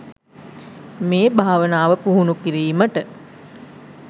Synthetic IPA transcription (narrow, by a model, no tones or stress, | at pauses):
meːbʱaːʋənaːʋəpuɦunukiɾiːməʈə